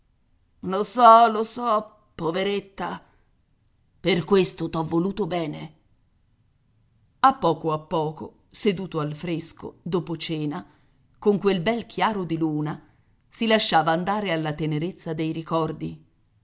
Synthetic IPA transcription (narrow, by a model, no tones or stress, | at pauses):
losɔlosɔ | pːoveɾet̪ːa | perkwest̪ot̪ɔvːoluːt̪obɛːne | apːɔːkoapːɔːko̰ | sed̪uːt̪oalfɾesko̰d̪oːpot͡ʃɛːna | koŋkwelbɛlk̟ʰjaːɾod̪iluːna | silaʃːaːvaːnd̪aːɾealːat̪eneɾet̪sːad̪ejɾikɔrd̪i